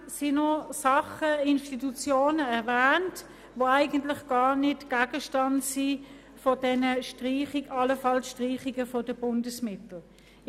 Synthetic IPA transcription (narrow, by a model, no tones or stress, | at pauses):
sinɔsɑχəɪnʃtitut͡sjoːnəɛɐvæːnt | voæɪɡ̥ən̩tlɪχɡ̥ɑːnɪtɡ̥æːɡ̥əʃtɑntsi | fɔdɛnəʃtʁiːχiɡɑləfɑlsʃtʁiːχiɡəfɔd̥əb̥ʊndəsmɪtl̩